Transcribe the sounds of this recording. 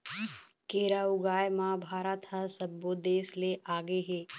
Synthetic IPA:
keːɾaːʊɡaːjmãbʱaːɾat̪ɦasɐbːoːd̪eːsleʔaːɡeɦeː

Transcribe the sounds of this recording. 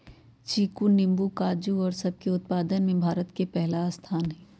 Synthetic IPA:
t͡ʃiːkunɪ̃mbukaːd͡ʒuɔːɾsɐb̚keʊt̪̚paːd̪ənmẽbʱaːɾət̪kepɛɦlast̪ʰaːnɦɛː

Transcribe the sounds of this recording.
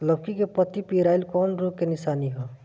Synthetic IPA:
lʌbkikepʌt̪ipiɾajlkɔnɾukenisaniɦo

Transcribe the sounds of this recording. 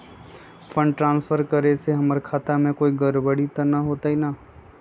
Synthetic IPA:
fʰə̃ɳɖʈɾãːnsfʰəɾkəɾeseɦɐməɾkʰaːt̪amẽkoːiɡəɾbəɽit̪ɐnaɦoːt̪aɦinaː

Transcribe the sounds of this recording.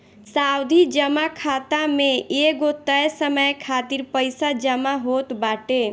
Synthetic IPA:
sawd̪ʱid͡ʒəmakʰat̪ameeɡot̪əjsəməjkʰat̪iɾpəjsad͡ʒəmaɦot̪baʈe

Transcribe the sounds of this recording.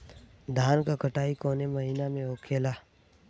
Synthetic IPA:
d̪ʱaːnkakɐʈaːikoːnemɐɦinamẽoːkʰeːlaː

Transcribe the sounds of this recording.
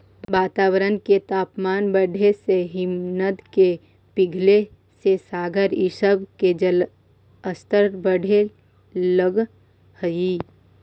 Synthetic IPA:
ʋaːt̪aːwəɾənket̪aːpmaːnbəɖʱeseɦɪmnət̪ke | pɪɡʱle | sesaːɡʱəɾɪʃəbked͡ʒəl | əst̪əɾbəɽʱe | ləɡ | həiː

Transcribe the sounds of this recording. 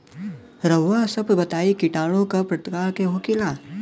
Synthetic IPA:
ɾəʋːasɐbbɐt̪aːikɪʈaːɽ̃õkapɾɐt̪kaːɭkeɦokilaː

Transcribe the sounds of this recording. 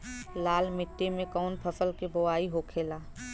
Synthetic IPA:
laːlmɪʈːemẽkɔːnpʰəsəlkiboaːiɦokʰeːlaː

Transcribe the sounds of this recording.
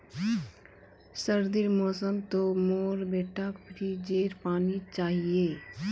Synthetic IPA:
səɾd̪iɾmɔːsəmt̪omoːɾbeːʈʰakpʰɾid͡ʒeːɾpaːnit͡ʃaːɦieː

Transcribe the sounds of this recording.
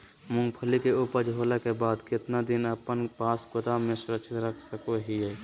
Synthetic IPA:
mʊ̃ŋɡpʰəlikeʊpəd͡ʒɦoːlekebaːd̪kɪt̪nad̪ɪnəpənpaːsɡʊt̪amẽsʊɾəkʃʰɪt̪ɾəkʰsəkoɦiɛː

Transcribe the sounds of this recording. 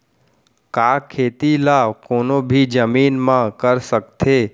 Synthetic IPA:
kakʰet̪ilaʋkonobʱid͡ʒəminmãkəɾʃək̚t̪ʰe

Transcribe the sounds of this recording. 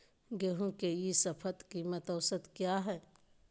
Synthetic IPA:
ɡeɦũkejisɐpʰət̪kimət̪əːsət̪kjaɦɛː

